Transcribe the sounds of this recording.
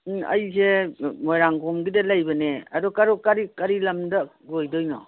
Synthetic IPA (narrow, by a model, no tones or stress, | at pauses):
ɐ̰jzemojɾaŋɡomɡidɐlajbɐneɐdɔkɐɾɔkaɾikɐɾilɐmdɐɡojdɔjnɔ̰